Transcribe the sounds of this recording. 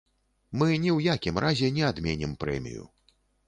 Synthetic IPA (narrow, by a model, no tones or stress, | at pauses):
mɨnʲɛwjakʲimɾʔazʲɛnʲɛad̪mʲɛnʲɛmpɾɛ̰mʲḭjṵ